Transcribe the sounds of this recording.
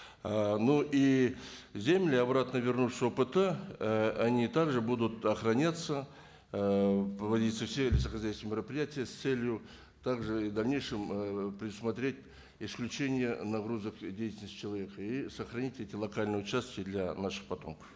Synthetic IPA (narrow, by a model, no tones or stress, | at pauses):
ənuʔi | zʲe̞mlʲɪɐbɾat̪nəvʲɪrnuʂo̞pɨt̪ə | anʲit̪aɡʐɨbud̪ʊt̪ɐχrɐnʲat̪sə | pɾəvɐdʲit̪səfsʲelʲɪsəχɐzʲæjsvʲəmʲɪɾəpɾʲɪjatʲɪjəst̪selʲjʊ | t̪aɡʐɨid̪ɐlʲnʲe̞jʂɨmpɾʲɪd̪ʊsmɐt̪ɾʲet̚ʲ | isklʲʉt͡ʃe̞nʲɪjənaɡɾuzəkdʲejtʲɪlnəsʲt̪ʲːt͡ʃʰɪlˠɐvʲe̞kəisəχrɐnʲitʲetʲɪlˠɐkalʲnɨjʊt͡ʃast̪kʲɪd̪lʲanaʂə̥χpɐt̪o̞mkə̥f